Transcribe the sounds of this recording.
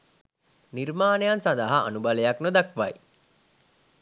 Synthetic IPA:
niɾmaːnejansad̪aɦaʔːnubalejaknod̪akʋaj

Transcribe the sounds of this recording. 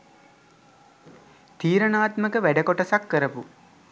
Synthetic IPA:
t̪iːɾənaːt̪məkəʋæɖəkoʈɐsakːəɾəpu

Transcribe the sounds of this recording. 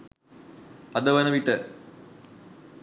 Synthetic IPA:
ɐd̪ɐʋɐnɐʋiʈːɨ

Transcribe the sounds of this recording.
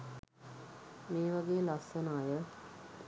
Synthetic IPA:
meːʋaɡeːlasənaːjə

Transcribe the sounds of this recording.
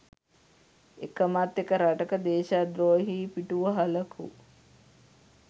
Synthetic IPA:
ekəmat̪ːekəɾaʈəkəd̪eːʃad̪ɾoːɦiːpiʈuʋəɦaləkʰṵ

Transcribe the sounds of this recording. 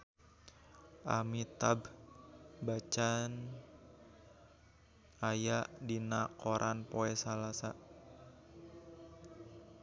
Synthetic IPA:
ʔa̰mit̪ab | bat͡ʃan | ajaʔdinakoɾʔanpoɛsalasa

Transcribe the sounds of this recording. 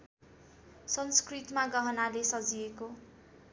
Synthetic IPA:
sʌnskrit̪maɡʌɦʌnalesʌd͡zieko

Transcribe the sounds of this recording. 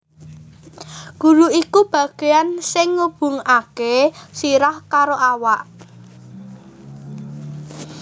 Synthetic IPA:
ɡ̥ṳɾuikub̥ä̤ɡ̥e̤ansɪŋːub̥ṳŋakesiɾahkaɾoʔawaʔ

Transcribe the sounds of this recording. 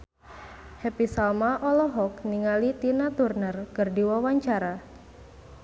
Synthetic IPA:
hepisalmaʔɔlɔɦɔk̚niŋalit̪inat̪urnərkərdiwawaɲt͡ʃaɾa

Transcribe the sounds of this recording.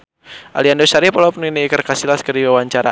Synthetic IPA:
ʔa̰liandosaɾipalapəniniːkərkasilaskəriwawaɲt͡ʃaɾa̰

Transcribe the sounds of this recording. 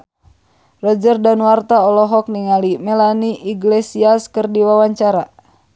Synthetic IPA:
rɔd͡ʒərdanuwart̪aɔlɔɦɔk̚niŋalimɛlaniʔiɡlesiaskərdiwawaɲt͡ʃaɾa

